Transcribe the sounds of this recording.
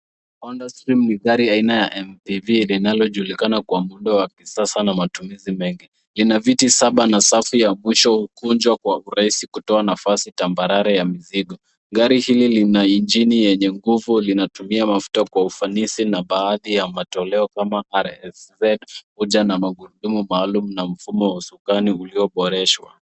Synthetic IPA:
ɔndastɾimniɣaɾiainajaʔɛmpivilinalɔʄulikanakwamuɗawakisasanamatumizimɛŋɡi | linavitisaɓanasafijamwiʃɔhukund͡ʒwakwauɾaisikutɔanafasitambaɾaɾajamiziɠɔ | ɡaɾihililinaind͡ʒinijɛɲɛŋɡuvulinatumiamafu̥takwaufanisinaɓaːðijamatɔlɛɔkamaʔaɾɛsɛdkuʄanamaɡuɗumumaːlumunam̩fumɔwasukaniuliɔɓɔɾɛʃwa̰

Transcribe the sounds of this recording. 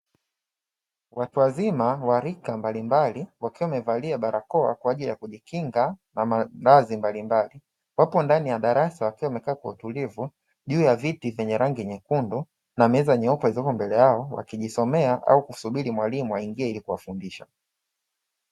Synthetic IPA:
watuwazimawaɾikambalimbaliwakiwamɛvaliaɓaɾakɔa̰kwaːʄilijakuʄikiŋɡanamaɾazimbalimbali | wapɔndanijaɗaɾasawakiwamɛkaːkwautulivu | ʄuːjavitivɛɲɛɾaŋɡiɛɲɛkundu | namɛzaɲɛɔpaizɔkɔmbɛlɛjaɔwa̰kiʄisɔmɛaʔa̰ukusuɓilimwalimuwaiŋɡiɛilikuwafundiʃa̰

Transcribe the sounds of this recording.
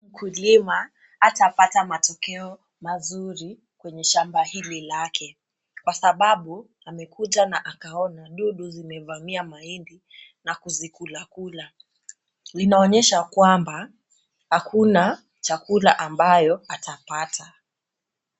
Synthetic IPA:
m̩kʰulimaː | tapatamatɔkɛɔ | mazuɾi | kwɛɲɛʃambahililakʰɛ | kwasaɓaɓu | amɛkutanaʔakaɔnaɗuɗuzimɛvamiamaindi | nakuzikulakula | linaɔɲɛʃakwamba | hakʰuna | t͡ʃakulaʔambajɔatʰapata

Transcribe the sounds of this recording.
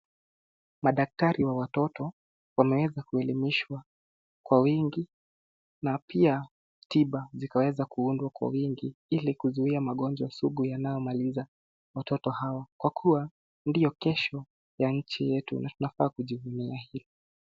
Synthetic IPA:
maɗak̚taɾiwawatɔtɔ | wamɛwɛzakuɛlimiʃwa | kwawiŋɡi | napia | tiɓazikawɛzakuundwakwa̰wiŋɡiilikuzuiamaɠɔnd͡ʒɔasuɠujanajɔmaliza | watɔtɔhawakwakʰuwa | ndijɔkɛʃɔ | jaɲ̩t͡ʃijɛtṵnʔatunafaːkuʄivuniahilɔ

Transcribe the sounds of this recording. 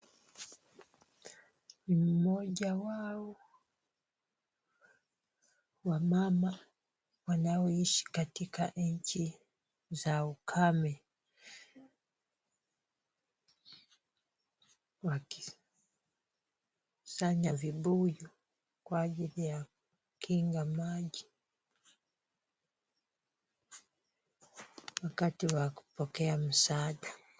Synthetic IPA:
nim̩mɔʄawaɔ | wamama | wanaɔiʃi̥katikaɲ̩t͡ʃi | zaukʰamɛ | waki | saɲaviɓuju | kwaʄilijaku | kʰiŋɡamaʄi | wakatiwaku̥pɔkɛam̩saːɗa

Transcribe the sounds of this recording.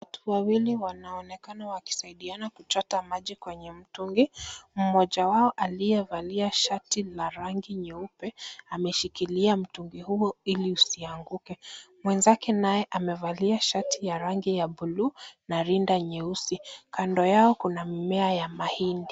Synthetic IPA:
watuwawiliwanaɔnɛkanawaki̥saiɗianakut͡ʃɔtamaʄikwɛɲɛm̩tuŋɡim̩mɔʄawaɔʔalijɛvaliaʃatilaɾaŋɡiɲɛupɛamɛʃikiliam̩tuŋɡihuɔiliusiaŋɡukɛmwɛnzakɛnajɛʔamɛvaliaʃatijaɾaŋɡijaɓuluːnaɾindaɲɛusikandɔjaɔkunamimɛajamahindi

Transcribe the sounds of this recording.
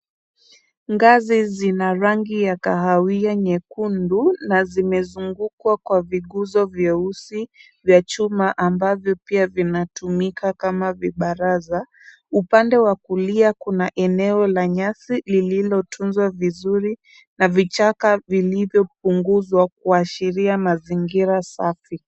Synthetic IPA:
ŋɡazizinaɾaŋɡijakaɦawiaɲɛkundunazimɛzuŋɡukwakwaviɠuzɔvjɛusi | vjat͡ʃumaʔambavjɔpiavinatumikakamaviɓaɾaza | upandɛwakuliakunaʔɛnɛɔlaɲasilililɔtʰunzwavizuɾi | navit͡ʃakavilivjɔp̚uŋɡuzwak̚uaʃiɾiamaziŋɡiɾasafi

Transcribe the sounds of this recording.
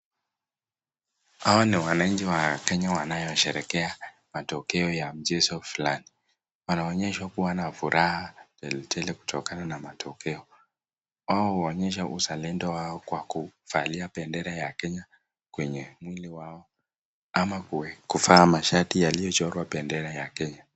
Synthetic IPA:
hawaniwanaɲ̩d͡ʒiwakɛɲawanajɔʃɛɾɛkɛa | matɔkɛɔjam̩d͡ʒɛsɔfulani | wanaɔɲɛʃwakuwanafuɾʔahatɛlɛtʰɛlɛku̥tʰɔkananamatʰɔkɛɔ | waɔɔɲɛʃaʔusalɛndɔwaɔkwakufaliapɛndɛɾajakɛɲa | kwɛɲɛmwiliwaɔ | amakkufaːmaʃatijalijɔt͡ʃɔɾwapɛndɛɾajakɛɲa

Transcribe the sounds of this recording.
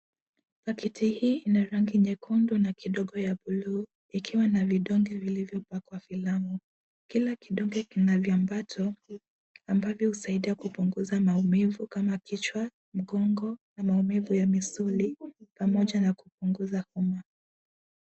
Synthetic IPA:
pakɛtihiːʔinaɾaŋɡiɲɛkʰundunakiɗɔɠɔjaɓuluː | ikʰiwanaviɗɔŋɡɛvilivjɔpakwafilamu | kilakiɗɔŋɡɛkinavjambatʰɔ | ambavjɔhusaiɗiakupuŋɡuzamaumivukamakit͡ʃwa | m̩ɠɔŋɡɔnamaumivujamisulipamɔʄanakup̚uŋɡuzahuma

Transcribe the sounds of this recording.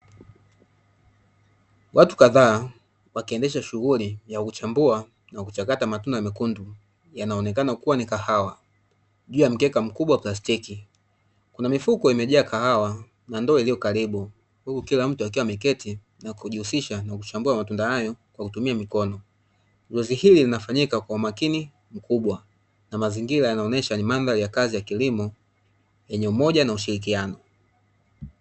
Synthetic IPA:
wʔatu̥kaðaː | wakiɛndɛʃaʃuɣulijakut͡ʃambua | nakut͡ʃakatamatundaamikundu | janaɔnɛkanakuwanikahawa | ʄuːjam̩kɛkam̩kuɓwaplastiki | kunamifukɔimɛʄaːkahawa | nandɔiliɔkaɾiɓu | hukukilam̩tuak̬iwamɛkɛti | nakuʄihusiʃanakut͡ʃambuamatundahajɔkwakutumiamikɔnɔ | zɛzihililinafaɲikakwaumakini | m̩kuɓwa | namaziŋɡilajanaɔnɛʃanimanðaɾijakazijakilimɔ | jɛɲɛumɔʄanauʃiɾik̬ianɔ

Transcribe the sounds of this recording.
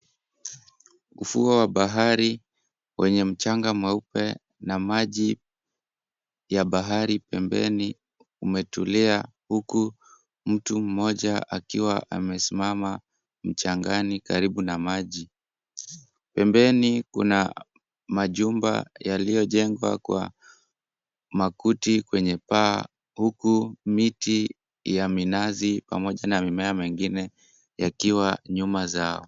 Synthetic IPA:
ufuɔwaɓaɦaɾi | wɛɲɛm̩t͡ʃaŋɡamwɛupɛ | namaʄi | jaɓaɦaɾipɛmbɛ̰ni | umɛtulia | huku | m̩tum̩mɔʄaʔakiwaʔa̰mɛsimama | m̩t͡ʃaŋɡanikaɾiɓunamaʄi | pɛmbɛnikṵna | maʄumba̰jalijɔʄɛŋɡwa̰kwa̰ | makutikwɛɲɛpaː | hukumiti | jaminazipa̰mɔʄanamimɛamɛŋɡinɛ | jakiwaɲumazaɔ

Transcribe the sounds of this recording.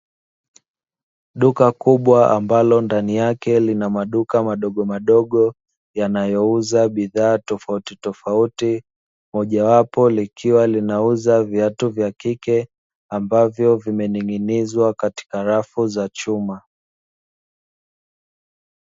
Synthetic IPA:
ɗukakuɓwaambalɔndanijakɛlinamaɗukamaɗɔɠɔmaɗɔɠɔ | janajɔuzaɓiðaːtɔfautitɔfauti | mɔʄawapɔlikʰiwalinauzavjatuvjakikɛ | ambavjɔvimɛniŋinizwakati̥kaɾafuzat͡ʃuma

